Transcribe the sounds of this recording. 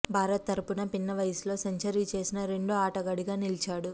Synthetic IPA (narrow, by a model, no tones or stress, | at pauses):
bʱaːɾɐt̪ːɐɾupunɐpinːɐʋɐjɐslo̞ːsɐɲt͡ʃɐɾit͡ʃe̞ːsinɐɾe̞ɳɖuaːʈɐɡɐɽiɡaːnilit͡ʃaːɽu